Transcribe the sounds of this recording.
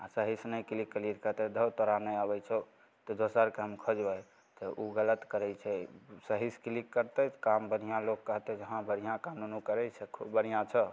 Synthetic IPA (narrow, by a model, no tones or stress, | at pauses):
asəɦisnəjkilikːəlit̪kət̪ɛd̪ʱəwt̪ɔɾanəjabɛt͡ʃʰɛ | t̪ɔd̪osəɾkeɦəmkʰəd͡ʒbəj | t̪ɔʔuɡələt̪kəɾɛt͡ʃʰɛsəɦiskilikːəɾt̪ɛkambən̤ijãlokːəɦt̪ɛd͡ʒəɦãbəɽ̤ijãkamnunukəɾɛt͡ʃʰɛkʰubbənijãt͡ʃʰə